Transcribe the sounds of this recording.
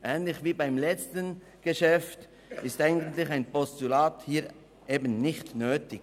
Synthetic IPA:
ʔɛːnlɪçviːbaɪmlɛt͡stən | ɡ̥əʃɛft | ɪstaɪɡɡən̩t̪lɪçaɪnpɔstulaːthiːɾ | ʔeːbənnɪçtnøːtɪɡ

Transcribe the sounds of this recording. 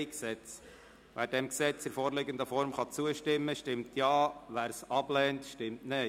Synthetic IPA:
ksɛt͡s | ʋʔæːɾdɛmksɛt͡sɪɾfɔːɾlɪɡənd̪əfɔɾmχɑt͡suəʃtɪmːəʃtɪmtjɑːʋæːɾsɑb̥lɛːntʃtɪmtne

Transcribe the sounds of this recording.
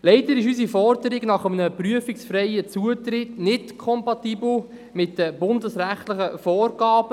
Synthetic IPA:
lɛɪdəɾɪʃys̬ifɔrdəɾɪɡnɑχəmənəpryəfɪksfɾɛɪət͡suətɾɪtnɪtkʰɔmpɑt̪iːbl̩ | mɪt̚d̥əbʊndəsɾæχtləχəfɔːrɡ̥ɑːb̥ə

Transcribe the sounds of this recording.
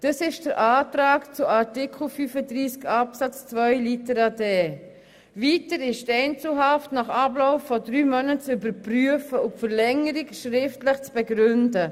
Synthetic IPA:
d̥ɑsɪʃd̥əɾʔɑːtɾɑːkt͡sʊaɾtikʰχl̩fyːfədɾiːskɑpsɑt͡st͡svœʏlitəɾɑdeː | vitəɾɪʃtɛɪnt͡səl̩ɦɑftnɑχɑbloʊfːɔdɾyːmœnət͡sybəɾpryəfəʊfəɾlɛŋəɾikʃɾɪftlɪχt͡sb̥ɛɡɾʏndə

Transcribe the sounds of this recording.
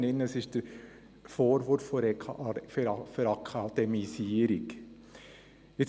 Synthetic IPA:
nɪnəsɪʃd̥əɾ | foːɾʋʊɾfːɔɾʰffəɾɑkʰɑd̪̥ɛmisiːəɾɪk | ɪ

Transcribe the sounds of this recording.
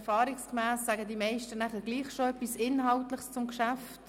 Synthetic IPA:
fɑːɾikskmæːsːæɡədimɛɪʃtənæχəɡ̥liːχʃoœpːisɪnɦɑʊtləχst͡sʊmkʃæft

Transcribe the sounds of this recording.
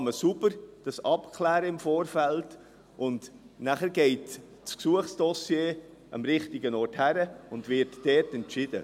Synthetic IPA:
məsubəɾd̥ɑsɑpkʰlæːɾəɪmfoːɾfɛlt | ʔʊnd | næχəɾɡ̥ɛɪt | sksuəχsd̥ɔsjeː | ʔɑ̰mɾɪχtɪɡənɔːrthæɾəʊndvɪtːɛːtɛntt͡ʃɪd̥ə̰

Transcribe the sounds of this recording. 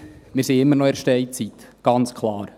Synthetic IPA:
mɪːɾsiɪmːəɾnɔɛɾʃtɛɪt͡sit̪ɡ̥ɑnt͡skʰlɑːɾ

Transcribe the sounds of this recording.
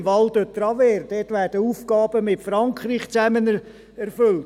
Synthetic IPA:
mvɑldøt̪ːrɑvɛːɾd̥ɛtʋæːrdəuːfɡɑːb̥əmɪtfɾɑŋkʰriːχt͡sæmən | ɛɾfʏlt

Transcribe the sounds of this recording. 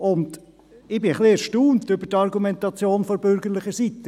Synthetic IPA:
ʊnd | ɪbɪχliɛɾʃtuːntʏbətɑɾɡumɛnt̪ɑt͡sjoːnfɔɾbʏɾɡəlɪχəsit̪ə

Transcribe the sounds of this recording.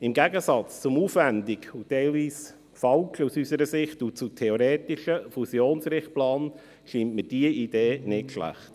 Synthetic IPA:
ɪmɡæɡəsɑt͡st͡sʊmuːfvændikutɛɪlviːs | fɑlusysəɾəsɪχtut͡sutʰɛoɾeːtɪʃəfusjoːnsɾɪχt̚plɑːn | ʃintməd̥iəʔid̥eːnɪtʃlæ̰χt

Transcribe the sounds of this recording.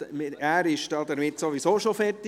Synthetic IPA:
mɪæːɾɪʃd̥ɑd̥̪ɛɾmɪt̪soʋisoːʃofɛt

